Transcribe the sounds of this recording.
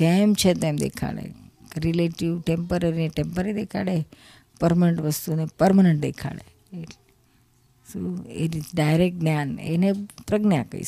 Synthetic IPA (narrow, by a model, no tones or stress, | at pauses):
emt͡ʃʰet̪emd̪ḛkʰa̰ɭḛ | ɾileʈiʋʈempəɾaɾineʈempəɾɾid̪ekʰaɭe | pəɾməneɳʈʋəst̪unepəɾməneɳʈ̚d̪ekʰa̰ɭḛ | soḭʈizɖajɾek̚ʈ̚njanḛnepɾəɡnjakə̰ḭ